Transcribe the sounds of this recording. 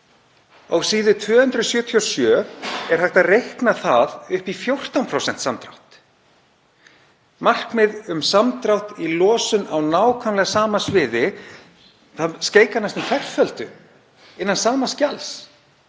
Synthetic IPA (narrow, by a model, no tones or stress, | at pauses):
awsiːðʏt̪ʰvœːhʏnt̪ɾʏsjœːt̪ʰiɔsjœːɛɾ̥hajht̪aðrejhknaθaðʏhpifjowr̥t̪awnpʰɾowsɛn̥t̪samt̪ɾa̰wht̪ | mar̥kmɪðʏmsamt̪ɾawht̪ilɔːsʏnawnaːwkʰvanlɛɣasaːmasvɪːðɪ | θaskeːjkanast̪ʏmkʰvɛr̥fœlt̪ʏ | ɪnːansaːmascals